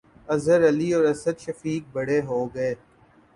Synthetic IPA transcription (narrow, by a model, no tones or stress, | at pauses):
ɐzəɾɐliɔːɾɐsəd̪ʃɐfiːk̚bɐɽeɦoːɡɐeː